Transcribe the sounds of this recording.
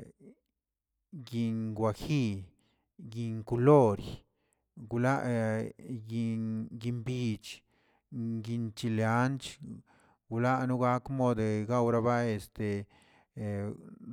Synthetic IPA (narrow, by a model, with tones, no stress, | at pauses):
ɡi˧ŋɡwa˧xi˦˧ | ɡi˧ŋku˧lo˦ɾj | ɡu˧la˦˧ʔ | ɡi˧ɡi˧mbi˧t͡ʃ | ɡi˧nt͡ʃi˧lea˦nt͡ʃ | ɡu˧la˦nu˦ɡa˦kmo˦˧d̪e˧ɡa˦wɾa˧ba˦e˧st̪e˨